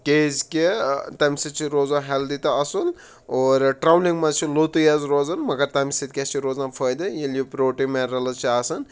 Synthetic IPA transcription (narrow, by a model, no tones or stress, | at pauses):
kʲezkʲet̪ɐmʲsit͡ʃʰiɾoːzãɦeld̪it̪ɐɐsul | oːɾʈɾawliŋɡmɐt͡ʃʰilot̪ujazɾoːzɐnmɐɡɐɾt̪ɐmisit̪kʲest͡ʃʰiɾoːzãːpʰəjd̪ɐjeljipɾoːʈimeɾɐlɐt͡ʃʰiaːsɐn